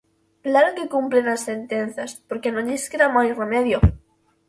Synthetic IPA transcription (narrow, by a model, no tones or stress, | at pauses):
plaɾoŋkekumplenasθent̪en̟θjaspoɾkenoniskeɾamajremeðjo